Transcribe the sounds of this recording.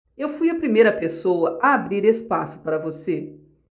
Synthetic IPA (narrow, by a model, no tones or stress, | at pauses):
ewfujɐpɾimejɾɐpesowɐʔɐabɾiɾespasʊ̥paɾɐvose